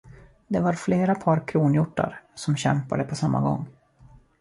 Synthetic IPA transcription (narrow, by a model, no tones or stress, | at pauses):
d̪ɛvaɾfleːɾapʰɑːɾkʰɾuːnjʊʈːa̰ɾsɔmɕɛmpad̪əpʰɔsamːa̰ɡɔ̰ŋː